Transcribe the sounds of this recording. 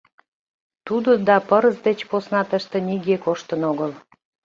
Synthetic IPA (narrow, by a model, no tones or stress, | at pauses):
t̪ud̪od̪ɑpəɾəzd̪et͡ɕposnɑt̪əʃt̪ĕniɡekoʃt̪ənoɣəl